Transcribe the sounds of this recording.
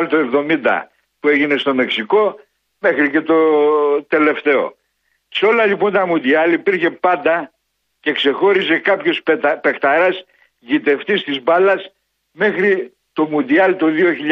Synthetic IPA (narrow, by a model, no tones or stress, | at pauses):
lt̪oe̞vðo̞mind̪ɐ̰ | pue̞ʝine̞st̪o̞me̞ksiko̞ | me̞xɾice̞t̪o̞t̪e̞le̞ft̪e̞o̞̰ | seo̞lɐʎipo̞nt̪ɐmund̪iɐlipiɾçe̞pɐnd̪ɐ | ce̞kse̞xo̞ɾise̞kɐpço̞spe̞xt̪ɐɾɐs | ʝit̪e̞ft̪ist̪izbɐlɐs | me̞xɾi | t̪o̞mund̪iɐlt̪oðio̞çiʎ